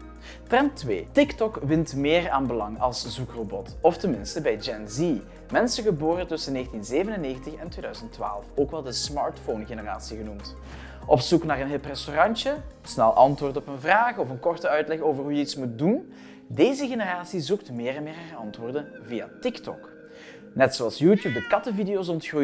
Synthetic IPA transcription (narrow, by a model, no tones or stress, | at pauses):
trɛntʋeːtɪktɔkʋɪntmɪːraːnbəlɑŋɑlˠszukrobɔtɔftənmɪnstəbɛjd͡ʒɛnzi | mɛnsəɣəboːrətɵsənːeːɣəntinzeːvənənːeːɣəntəxɛntʋeːdœɥzəntːʋa̰ːlˠfoːkʋɛlˠdəsmɑɹtfonɣenəra̰ːsiɣənumt | ʔɔpsuknaːrənɦeːlˠprɛstorɑntə | snɛlˠʔɑntʋʊːrtɔpənvraːxɔfənkɔrtəœɥtlɛxoːvərɦujəitsmut̚dun | deːzəɣenəraːsizuktmɪːrɛnmɪːrɦarɑntʋoːrdənvijatɪktɔ̰k | nɛtsoːɑlˠsjuːtjuːp̚dəkɑtəvidejows̬ɔntxruj